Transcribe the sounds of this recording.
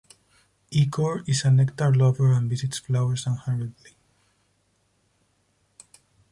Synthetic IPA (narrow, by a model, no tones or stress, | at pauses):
ikʰɔɹisãnɛkt̪aɹlɔvəɹãnvisitsflawəɹsãnhaɹid̪li